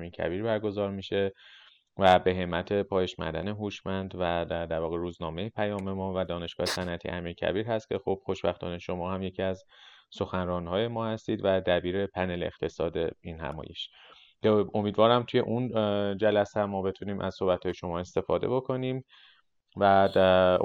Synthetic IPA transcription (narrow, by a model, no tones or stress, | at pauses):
miːɾcʰæ̰biːɾbæɾɡo̞zɒːɾmiːʃe̞ | væbe̞ɦe̞mːæt̪ʰe̞pʰɒːjeʃmæ̰d̪æne̞ɦuʃmænd̪væd̪æd̪æɾvɒːɣeɾuːznɒːme̞jepʰæjɒːme̞mɒːvæd̪ɒːne̞ʃɡ̥ɒːhesænæt̪ʰḭʔæmiːɾcʰæ̰biːɾhæst̪̚cʲʰe̞xob̥xo̞ʃbæxt̪ʰɒ̰ːne̞ʃo̞mɒːhæmje̞cʰiæzso̞xænrɒːnhɒːje̞mɒːhæst̪iːd̪væd̪æbiːɾe̞pʰænelext̪ʰe̞sɒːd̪einhæ̰mɒ̰ːje̞̰ʃ | o̞miːd̪vɒːɾæmt̪ʰuje̞̰ʔund͡ʒælæsæmːɒːbe̞t̪ʰuniːmʔæ̰z̥so̞hbæt̪hɒːjeʃo̞mɒːe̞st̪e̞fɒːd̪ebo̞kʰo̞niːm | væ